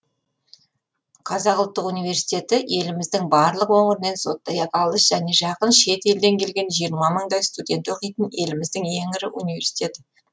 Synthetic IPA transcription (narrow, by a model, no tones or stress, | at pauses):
qʰɑzɑqʊlˠt̪ːəqunijvʲe̞ɾsi̥t̪ʲe̞t̪ɪʔe̞lɪmɪzd̪ɪŋbɑɾlˠəqwoɴɪɾɪne̞nso̞t̪ːɑjɑp̪ɑlˠəʃʒ̥æne̞ʒɑqənʃe̞t̪e̞ld̪e̞ŋkʲʰe̞lɡʲe̞nʒijəɾmɑməɴd̪ɑjst̪ud̪ʲe̞nt̪o̞qijt̪ɪne̞lɪmɪzd̪ɪŋe̞ŋɪɾɪʔunijve̞ɾsi̥t̪ʲe̞t̪ɪ